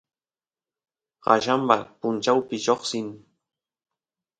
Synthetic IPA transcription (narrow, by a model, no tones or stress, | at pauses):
ɢɑ̰ʃampapʊnt͡ʃawpɪʃoχsɪŋ